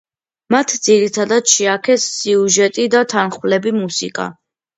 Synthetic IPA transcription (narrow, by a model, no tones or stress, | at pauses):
mat̪ʰd̪ziɾit̪ʰad̪ad̪ʃiakʰɛsːiuʒɛt̪ʼid̪at̪ʰanχwlɛbimusikʼa̰